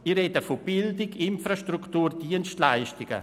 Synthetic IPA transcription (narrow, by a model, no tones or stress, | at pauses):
iɾedəfʊb̥ɪldɪɡɪnfraʃtruktuːrdiːənstlaɪʃtɪɡ̥ə̰